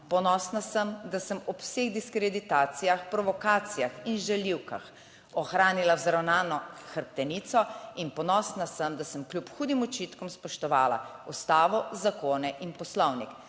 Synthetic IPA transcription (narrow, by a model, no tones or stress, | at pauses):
pɔnɔːsnasəmd̪asəmɔpseːɣd̪iskɾɛd̪it̪aːt̪sijaxpɾɔʋɔkaːt̪sijaxinʒɛliwka̰x | ɔxɾaːnilawzɾawnaːnɔxəɾp̚t̪ɛniːt̪sɔinpɔnɔsnasəmd̪asəmklʲjupxuːd̪imut͡ʃiːt̪kɔmspɔʃt̪ɔʋaːla̰ust̪aːʋɔzakoːnɛʔinpɔslɔwnik